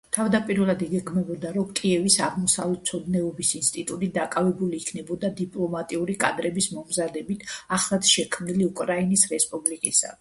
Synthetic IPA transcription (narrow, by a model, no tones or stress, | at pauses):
t̪ʰavd̪apʼiɾvɛlˠad̪ɛɡɛɡʰmɛbɔd̪aɾɔmkʼiɛvisaʁmɔsa̰vlɛt̪̚t̪sʰɔd̪nɛɔbisinst̪ʼit̪ʼut̪ʼid̪akʼavɛbuliːkʰnɛbɔd̪ad̪ipʼlˠɔmat̪ʼiuɾikʼad̪ɾɛbismɔmzad̪ɛbit̪ʰaχlˠad̪̥ʃɛkʰmniliukʼɾainisɾɛspʼublikʼisa̰